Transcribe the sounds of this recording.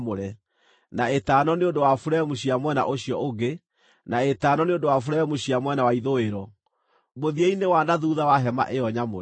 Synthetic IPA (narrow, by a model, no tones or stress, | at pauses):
moɾɛ | naetaːnɔneondowafuɾɛmuɕiamwɛna̰ʔoɕiɔoɡe | naetaːnɔneondowafuɾɛmoɕiamwɛnawaiðoeɾɔ | moðieinewanaðuːðawaɦɛma̰ʔejɔɲamoɛ